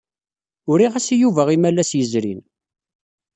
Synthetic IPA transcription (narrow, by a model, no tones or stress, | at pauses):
ʊɾiʁæsijuvæʁimælːæsjəzɾḭn